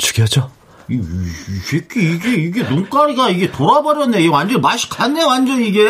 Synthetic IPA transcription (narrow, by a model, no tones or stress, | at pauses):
t͡ɕu̥ɡiɦad͡ʑo | ikʰekʰiiɡe̞iɡe̞nuŋk͈aɾiɡaiɡe̞toɾabʌɾjʌnːeiewand͡ʑʌnmaɕʰi̥kʰanːewand͡ʑʌniɡe̞